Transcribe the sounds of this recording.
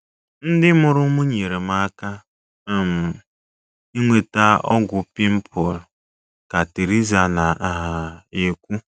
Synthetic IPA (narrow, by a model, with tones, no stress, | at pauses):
n̩˦dɪ˦mʊ˨ɾʊ˦mu˦ɲe˨ɾe˨m̩a˦ka˦ | m̩˨ | i˦ŋʷe˨ta˦ɔ̰˦ɡʷʊ˨pi˦m̩˦pʰɔ˨l | ka˨te˨ɾi˦za˨na˨a˨ɦa˨e˨kʷu˦